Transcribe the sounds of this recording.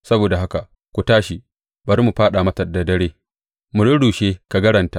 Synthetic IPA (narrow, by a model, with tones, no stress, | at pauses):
sɐ˦boː˨da˨ɦa˦ka˨ʔ | kʷu˨taː˦ʃi˨ | bɐ˨ɾmu˨ɸaː˦ɗa˨mɐ˦tɐ˨da˨dɐ˦ɽeː˦ | mʊ˨ɽʊ˦ɽuː˨ʃeː˦ka˨ɡɐ˦ɾɐ˨nta˨˦ʔ